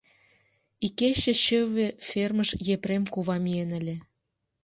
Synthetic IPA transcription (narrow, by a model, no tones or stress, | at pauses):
ikeɕə̆ɕəβeferməʃjepremkuβɑmienə̆lʲĕ